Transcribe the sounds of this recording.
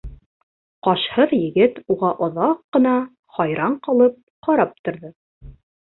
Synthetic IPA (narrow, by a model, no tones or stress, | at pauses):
qɑʃhɤðjɘ̆ɡɘt̪uʁɑʔŏðɑqːɤ̆nɑ | χɑjɾɑɴqɑlˠɤp̚ | qɑɾɑp̚t̪ŏɾðɤ